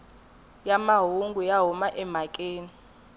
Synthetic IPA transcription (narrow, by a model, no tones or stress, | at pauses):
jamaɦuŋɡʱujaɦumaʔɛm̤akʼeːni